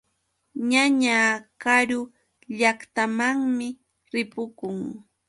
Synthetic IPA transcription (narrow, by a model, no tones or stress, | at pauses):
ɲaɲaːkaɾʊ | ʎakt̪amaŋmɪ | ɾɪpʊkʊŋ